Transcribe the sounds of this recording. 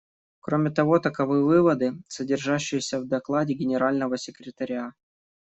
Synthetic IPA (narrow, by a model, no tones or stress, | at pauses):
kɾo̞mʲɪt̪ɐvo̞t̪əkɐvɨjəvɨvəd̪ɨsədʲɪrʐaɕːɪjɪsʲəvd̪ɐklˠadʲɪɡʲɪnʲɪɾalʲnəvəsʲɪkɾʲɪt̪ɐɾʲa